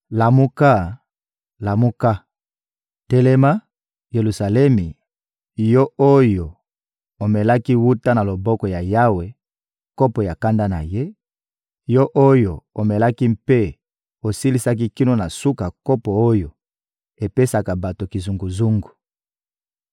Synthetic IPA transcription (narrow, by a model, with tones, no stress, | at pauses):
la˨mu˦ka˦ | la˨mu˦ka˦ | te˦lɛ˦ma˦ | je˨lu˨sa˨lɛ˦mi˨ | jɔ˦o˦jo˨ | o˨mɛ˨la˦ki˦wu˦ta˦na˨lo˨bɔ˦kɔ˨ja˨ja˦we˨ | ko˦pɔ˨ja˨ka˦nda˦na̰˨je˦ | jɔ˦ʔo˦jo˨o˨mɛ˨la˦ki˦mpe˦ | o˨si˦li˦sa˦k̬i˦ki˦no˦na˨su˦ka˨ko˦pɔ˨o˦jo˨ | e˨pe˦sa˨ka˨ba˨to˨ki˨zu˨ŋɡu˨zu˦ŋɡu˨